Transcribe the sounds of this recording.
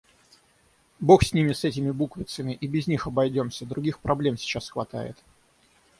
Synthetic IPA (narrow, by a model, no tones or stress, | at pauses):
bo̞xsʲnʲimʲɪsɛtʲɪmʲɪbukvʲɪt̪səmʲɪʔibʲɪzʲnʲixɐbɐjdʲo̞msʲəd̪ɾʊɡʲixpɾʔɐblʲe̞msʲɪ̥t͡ɕasxvɐt̪a̰jɪ̰t̪